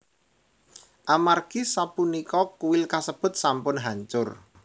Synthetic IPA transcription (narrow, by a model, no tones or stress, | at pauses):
ʔamarɡ̥isapunikɔkuwɪlkasəb̥ʊ̤t̪̚sampʊnɦaɲt͡ʃʊr